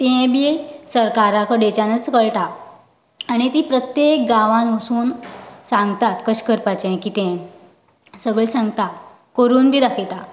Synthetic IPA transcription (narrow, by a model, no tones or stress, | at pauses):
t̪ẽbisəɾkaɾakəɖet͡ɕanət͡skəɭʈa | aɽ̃it̪iːpɾət̪jek̚ɡaʋãnʋəsuːnsãŋɡt̪at̪kəɕkəɾpat͡ɕẽkiːt̪ɛ̃ | səɡɭəɭsãŋɡt̪a | kəɾuːnbʱiːd̪akʰet̪a